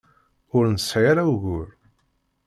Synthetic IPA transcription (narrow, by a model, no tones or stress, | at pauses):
ʊɾnsʕaɾawɣʊɾ